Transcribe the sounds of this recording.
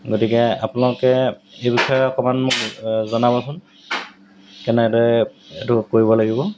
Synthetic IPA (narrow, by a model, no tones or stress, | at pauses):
ɡotikɛa̰punalʊkɛejbixɔjɔɔkɔmanmʊkzɔnabɔsʊn | kɛnɛtɔɛtukoɹibɔlaɡibɔ